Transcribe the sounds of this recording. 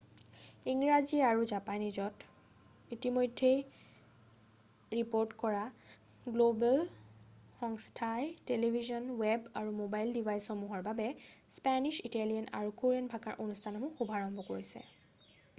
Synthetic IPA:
iŋɹaziɛaɹuzapanizɔt | itimojdʱːej | ɹipoɹtkɔɹa | ɡlobal | xɔŋstʰajtelebʱizɔnwɛbaɹumobajldivʱajsxɔmuɦɔɹbabɛspaniʃitalijana̰ɹukuɹianbʱakaɹʔonustʰanɔmũxubʱaɹɔŋbʱɔkoɹisɛ̰

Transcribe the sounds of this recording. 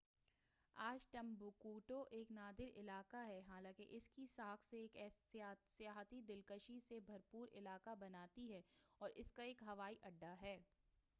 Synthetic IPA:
aːd͡ʒʈɐ̃mbukuːʈoʔeːknaːd̪ɪɾɪlaːkaɦɛɦaːlãːkɪʔɪskisaːkʰseeːkɛsɪjaːɦt̪id̪ɪlkəʃisebʱɐɾpuːɾɪ̰laːkabɐnaːt̪iɦɛːɔːɾʔɪskaeːkɦɐʋaːiʔɐɖːaɦɛː

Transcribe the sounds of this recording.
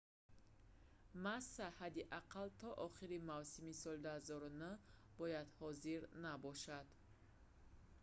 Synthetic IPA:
masːahad̪iʔaqʰalt̪ʰɔʔɔχiɾimavsimisɔld̪uhazɔɾunə | bɔjad̪hɔziɾnabɔʃad̪

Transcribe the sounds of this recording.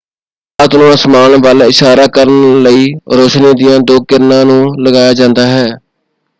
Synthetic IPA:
ət̪nõːãsəmaːnʋaːlɪʃaːɾaːkəɾənləiːɾoːʃniːd̪ɪjãːd̪oːkɪɾnãːnũːləɡaːjaːd͡ʒãːnd̪aːɦɛː

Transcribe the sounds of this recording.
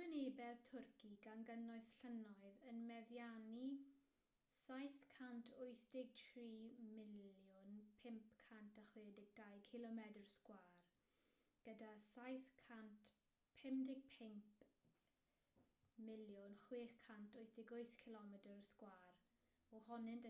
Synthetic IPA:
wɪneːbɛðtʰʊrkiɡanɡənɔɨsɬənɔɨðənmɛðjani | sajθkʰantʰʊjθd̥ɪɡ̚tʰriːmɪljʊnpʰɪmp̚kʰantʰaχwɪːdɪɡ̚d̥ajkʰɪlˠɔmɛdərskwaːr | ɡ̥ədasajθkʰant | pʰɛmdɪɡ̥̚pʰɪmp | mɪljʊnχwɪːχkʰantʰʊjθd̥ɪɡʊɨθkʰɪlˠɔmɛdərskwaːr | ɔhɔnɪnd

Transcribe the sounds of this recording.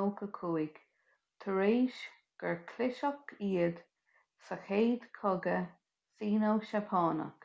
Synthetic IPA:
owkəkʰuːɪɡ | t̪ʰəɹeːʃ | ɡ̥əɹkʰlɪʃɔkiːəd̪ | səxeːd̪kʰɔɡə | siːnowʃapʰɑːnə̰k

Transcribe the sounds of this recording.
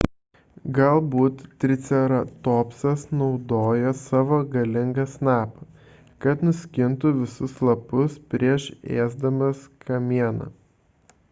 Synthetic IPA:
ɡɐlˠbuːt̪t̪ʲːɾʲɪt̪sʲɛɾɐt̪oːpsɐsnɒʊd̪oːjosɑːʋoːɡɐlʲɪŋɡɐsnɑːpɐ | kɐt̪nʊsʲkʲɪnt̪ʊʋʲɪsʊslˠɐpʊspʲɾʲiɛʃeːzd̪ɐmɐskʰɐmʲiɛnɐ̰

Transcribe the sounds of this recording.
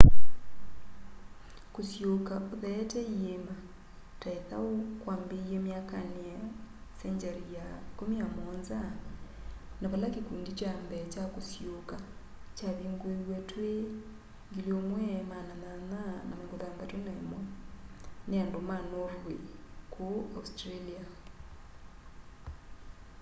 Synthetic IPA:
kosjokaoðɛtɛiemba | taeθa̰okwaːmbejemjakaneasɛɲd͡ʒaɾijakomiamɔnza | naβalakikuːndit͡ʃambɛt͡ʃakosjoka | t͡ʃaβiŋɡwewɛtwe | ŋɡiliomwɛmanananana̰meŋɡoðambatonaḛmɔ | neandomanoβwekʰoaustɾalia

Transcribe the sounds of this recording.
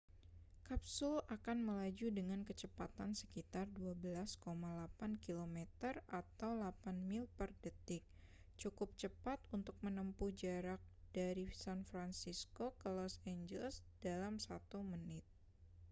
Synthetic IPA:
kap̚sʊlakanməlad͡ʒudəŋankət͡ʃəpat̪ansə̥kit̪arduabəlaskomalapankilomɛt̪ərat̪awlapanmɪlpərdət̪ɪk̚ | t͡ʃukʊp̚t͡ʃəpat̪unt̪ʊk̚mənəmpud͡ʒaɾak̚d̥aɾisanfɾansiskokəlɔsend͡ʒɛlsd̥alamsat̪umənɪt̪̚

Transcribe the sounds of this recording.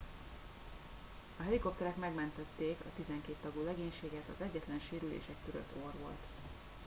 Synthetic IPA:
ɒɦɛliko̞p̚t̪ɛɾɛkmɛɡmɛnt̪ɛt̪ːeːkɒ̰t̪izɛŋkeːt̪ːɒɡuːlɛɡeːɲʃeːɡɛt̪ɒzɛɟːɛt̪lɛnʃeːɾylḛːʃɛkːøɾø̰t̪ʰːorʋo̞̰lt̪

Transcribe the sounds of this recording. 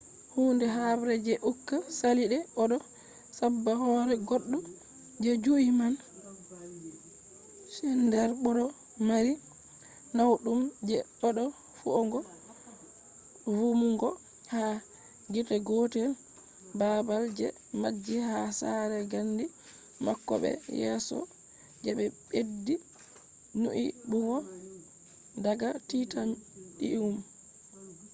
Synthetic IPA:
hundɛɦabɾɛd͡ʒɛʔukːasaliɗɛɔɗɔ | sabːahɔɾɛɡɔɗːɔ | d͡ʒɛd͡ʒuiman | ʃɛndɛɾɓɔɾɔ | maɾi | nawɗumd͡ʒɛɗɔɗɔ | fuɔŋɡɔ | vumuŋɡɔ | ha | ɡitɛɡɔtɛ | babald͡ʒɛ | mad͡ʒːihasaɾɛɡanːdi | makːɔɓɛ̰jɛ̰sɔ̰ | d͡ʒɛɓɛɓedːi | nuʔibuɡɔ | daɡatitamdḭwum

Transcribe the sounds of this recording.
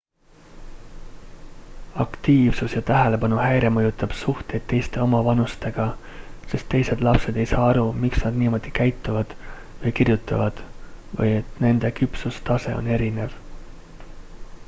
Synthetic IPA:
ɑkt̪iːvsusjɑt̪æɦele̞pɑnuɦæjɾemɤjut̪ːˑɑb̥suht̪e̞jd̪̥̚t̪ːe̞jst̪e̞o̞mɑvɑnust̪e̞ɡ̥ɑ | se̞st̪ːe̞jse̞d̪lɑpse̞d̪̥e̞jsɑːɑɾumiksnɑd̪̥niːmo̞d̪̥ikæjt̪ːˑuvɑd̪̥ | vɤjkirjut̪ːˑɑvɑd̪̥vɤ̰je̞t̪ne̞nd̪̥e̞kypsust̪ɑse̞̰o̞̰ne̞ɾine̞v

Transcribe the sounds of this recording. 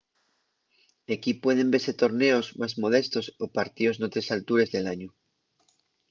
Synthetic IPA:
d̪ekipwe̞ð̞e̞mbese̞t̪o̞ɾne̞o̞zmazmo̞ð̞e̞st̪o̞sopaɾt̪io̞znot̪ɾe̞salt̪uɾe̞zðe̞laɲu

